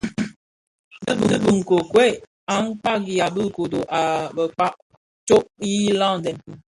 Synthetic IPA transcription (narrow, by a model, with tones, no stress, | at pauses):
bə˦bə˦bə˨ŋ̩˨ko˨kwɛ˦˨ | a˨˦ŋ˦k͡pa˦ɡi˨ja˨bə˦˨ko˨do˨ʔa˨bə˨k͡pa˦ʔ | t͡ʃo˦ʔji˦la˦˨n˨dɛ˨n